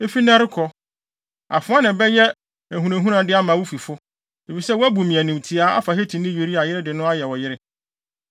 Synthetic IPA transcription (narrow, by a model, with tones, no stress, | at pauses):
e˦fi˦nã˦ɾɪ˦kʰɔ˦ | a̰˨fʊ̃˦a˦nɪ̃˨bɛ˦jɛ˦ | æ˨ɦũ˨ɾẽ˨ɦũ˦ɾã˨dɪ˦a˦mã˨wʊ˦fi˨fʊ˦ | e˨fi˨sɛ˦wɔ˦æ˦bu˨mĩ˨æ˨nĩ˨m˨tʰi˨a˦a̰˦fa˨hɛ˦tʰĩ˨nɪ̃˦je˨ɾi˦a˨jɪ˦ɾɪ˦dɪ˨nʊ̃˦a˦jɛ˨wɔ˨jɪ˦ɾɪ˦